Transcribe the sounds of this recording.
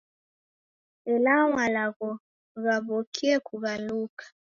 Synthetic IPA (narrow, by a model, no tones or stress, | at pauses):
ɛlaŋwalaɣɔ | ɣaβokʰiɛkuβalukḁ